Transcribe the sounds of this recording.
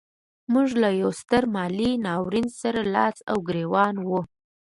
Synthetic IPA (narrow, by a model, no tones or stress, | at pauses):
muʐlajawst̪əɾmɑlinɑwɾinsaɾalɑ̰sa̰wɡɾewɑnwu